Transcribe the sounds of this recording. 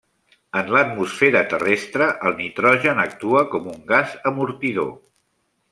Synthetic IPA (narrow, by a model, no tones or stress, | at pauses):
ənlət̪musfeɾət̪ərest̪ɾəʔəlˠnit̪ɾɔʒənək̚t̪uəkɔmuŋɡazəmuɾt̪iðo̰